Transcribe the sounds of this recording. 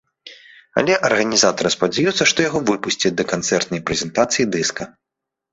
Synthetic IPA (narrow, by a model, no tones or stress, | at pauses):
ɐ̰lʲɛʔɐrɣɐnʲizat̪ɐɾɨspɐd͡zʲɛjut̪sːɐʂt̪ɔjaɣɔvɨpusʲt͡sʲid̪ɐkant̪sɛrt̪nɐjpɾɛzʲɛnt̪at̪sɨjid̪ɨskɐ